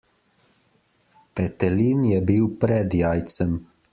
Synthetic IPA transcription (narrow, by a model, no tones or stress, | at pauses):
pɛt̪ɛlinjɛbiwpɾɛd̪jaːjt̪səm